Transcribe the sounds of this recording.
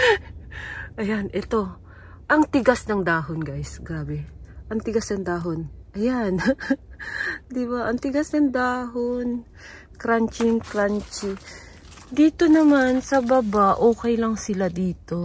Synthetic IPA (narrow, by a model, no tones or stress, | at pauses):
ʔɐjanʔɛt̪o̞ | ʔɐŋt̪ɪɡasnɐŋd̪aːɦonɡajsɡɾaːbɛʔɐŋt̪ɪɡasnɐŋd̪aːɦonʔɐjan | d̪ɪbaʔɐŋt̪ɪɡasnɐŋd̪aːɦon | kɾant͡ʃɪŋkɾant͡ʃɪ | d̪iːt̪o̞nɐmansɐbɐbaʔoːkɛjlɐŋsɪlad̪iːt̪o̞